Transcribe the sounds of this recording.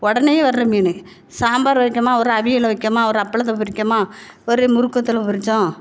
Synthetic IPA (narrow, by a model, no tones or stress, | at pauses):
ɔɽɐnejeʋɐɾɾɐmiːnɯ | saːmbaːɾʋɐɪkʲːɐmaːɔɾɯɐʋɪjɪlɐʋɐkːɐmaːɔɾɯɐpːɐɭɐt̪ːɐp̬ʊɾɪkːɐmaːɔɾɯmʊɾɯkːɐt̪ːɯlɐ̃pʊɾɪt͡ʃːʊ̃